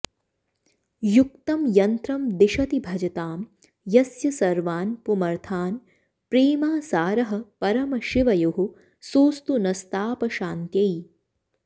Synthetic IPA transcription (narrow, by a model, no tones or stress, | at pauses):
juk̚t̪ɐmjɐnt̪ɾɐmd̪iʃɐt̪ibʱɐd͡ʒɐt̪aːm | jɐsjɐsɐɾʋaːnpumɐɾt̪ʰaːn | pɾiːmaːsaːɾɐɦɐ̆pɐɾɐmɐʃiʋɐjuɦu | suːst̪unɐst̪aːpɐʃaːnt̪jɐj